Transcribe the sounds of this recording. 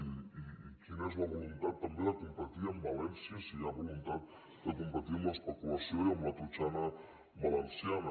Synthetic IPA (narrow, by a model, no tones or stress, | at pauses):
iiːkinɛzlaβolunt̪at̪̚t̪ːambjelakumpaɾt̪iambalensjasiaβolunt̪at̪̚ | k̪ekompat̪imaspekulasjoiamlat̪ɾut͡ʃana | βalensjana